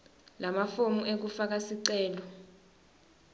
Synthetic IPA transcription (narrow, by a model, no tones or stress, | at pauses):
lʔamafomuek̬ufak̬asiǀɛːlɔ